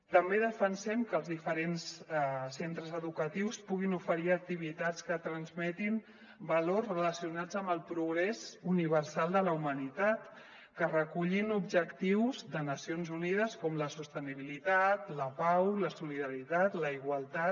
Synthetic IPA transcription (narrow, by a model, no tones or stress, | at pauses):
t̪əmbeðəfənsɛmkəːlˠzðifəɾenssent̪ɾəzəðukət̪iwspuɣinufəɾiək̚t̪iβ̞it̪at͡skət̪ɾənzmɛt̪im | bəlorzrələsiunad͡zəmbəlˠpɾuɣɾezuniβəɾsalˠd̪ələumənit̪at̪ | kərəkuʎinubʒəkt̪iwzðənəsionzunið̞əskɔmləsust̪əniβ̞ilit̪at̪ləpawləsuliðəɾit̪at̪ləiɣwəlˠt̪at̪